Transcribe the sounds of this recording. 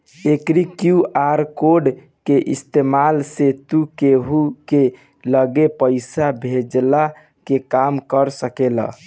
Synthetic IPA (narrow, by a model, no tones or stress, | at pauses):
ekɾikjuʔaɾkoɖ | keʔist̪emalset̪ukeɦuke | ləɡepəɪsabʱed͡ʒla | kekamkəɾsəkelə̰